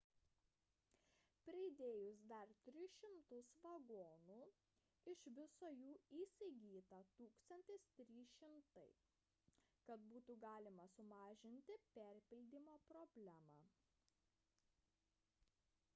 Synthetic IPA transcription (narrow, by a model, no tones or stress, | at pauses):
pʲɾʲɪɪd̪ʲeːjʊsd̪ɐɾt̪ʲɾʲɪʃʲɪmt̪ʊsʋɐɡoːnuː | ɪʃʋʲɪsoːjuːiːsʲɪɡʲiːt̪ɐt̪uːkst̪ɐnʲt̪ʲɪst̪ʲɾʲiːʃʲɪmt̪ɐɪ | kɐt̪buːt̪uɡɑːlʲɪmɐsʊmɑːʒʲɪnʲt̪ʲɪpʲɛɾʲpʲɪlʲd̪ʲiːmoːpɾɔbʲlʲæmɑː